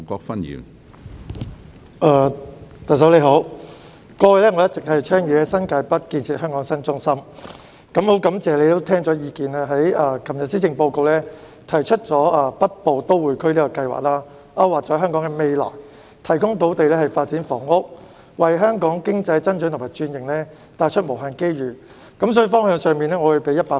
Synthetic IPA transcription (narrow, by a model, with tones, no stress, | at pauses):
kɔː˧k̚fɐ˥njḭː˨˥n | ʔaː˧t̪ɐ˨s̬ɐ˨˥wle˨˧ɦo˨˥w | kɔː˧wɐ˨˧lɛː˥ŋɔː˨˧jɐ˥t̚t͡sɪ˨k̚hɐ˨jt͡ʃʰœː˥ŋjyː˨˧kɛ˧sɐ˥nkaː˨˧˥jpɐ˥t̚kiː˧nt͡sʰiː˨t̚ɦœː˥ŋkɔː˨˥ŋsɐ˥nt͡sʊ˥ŋsɐ˥m | kɐ˨˥mho˨˥wkɐ˨˥mt͡sɛː˨le˨˧jt̪o˥wt̪ʰɛː˥ŋt͡sɔː˨˥jiː˨˧kiː˨naː˧ɦɐ˨˥jaː˧kʰɐ˨˩mjɐ˨t̚siː˥t͡sɪ˨˧ŋpo˧wko˨˧wlɛː˥ | t̪ʰɐ˨˩jt͡ʃʰɵ˥t̚t͡ʃɔː˨˥aː˧pɐ˥t̚po˨˧wt̪o˥wwu˨˩jkʰɵ˥liː˥kɔ˧kɐ˧jwa̰˨˩k̚laː˥ | ʔɐ˥waː˨˩t͡sɔː˨˥ɦœː˥ŋkɔː˨˥ŋɛ˧me˨˧jlɔ̰ː˨˩j | t̪ʰɐ˨˩jkʊ˥ŋt̪̬o˨˥wt̪e˨jlɛː˥hɐ˨jfaː˧t̚t͡siː˨˥nfɔ̰ː˨˩ŋʊ˥k̚ | wɐ˨jɦœː˥ŋkɔː˨˥ŋkɪ˥ŋt͡sɐ˧jt͡sɐ˥ntt͡ʃœ˨˥nt̪ʰmaː˨˩jt͡ʃyː˧njɪ˨ŋlɛː˥ | t̪aː˧t͡ʃʰɵ˥t̚mo˨˩ɦaː˨nke˥jɥyː˨˩ | kɐ˨˥msɔː˧˥jy˨˧fɔː˥ŋɦœː˧ŋsœː˨˧ŋmiː˨˧nlɛː˥ŋɔː˨˧wu˨˧jpe˨˥jɐ˥t̚paː˧˥